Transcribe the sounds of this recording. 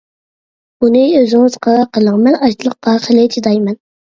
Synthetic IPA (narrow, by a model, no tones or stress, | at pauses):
b̥unɪøzɪŋɨz̥qɑqʰəlˠəŋmɛlɑt͡ʃ̪ʰlˠəqːɑχəlɪd͡ʒʰid̪ɑjmɛn